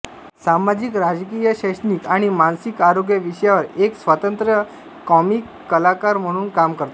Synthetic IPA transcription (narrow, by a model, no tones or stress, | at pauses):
samad͡ʑikɾad͡zkijəɕəɕniːkaɽ̃imansikaɾoɡjəʋiɕjaʋəɾeksʋət̪ənt̪ɾə | kɔmikːəlakaɾm̤əɽ̃uːnkamkəɾt̪o